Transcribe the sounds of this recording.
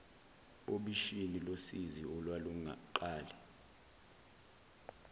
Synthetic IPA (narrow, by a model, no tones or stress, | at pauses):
oɓiʃinilosiziɔlwaluŋǃaːlɛ